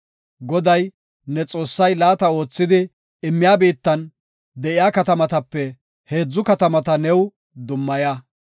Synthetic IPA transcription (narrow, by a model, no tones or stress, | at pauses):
ɡɔd̪ɐj | nɛt͡sʼo̞ːsːɐjlaːt̪ɐo̞ːt͡sːɪd̪ɪ | ɪmːɪjaːbiːt̪ːɐn | d̪ɛʔɪjaːkɐt̪ɐmɐt̪ɐpːɛ | he̞ːd͡zːʊkɐt̪ɐmɐt̪ɐnɛw | d̪ʊmːɐja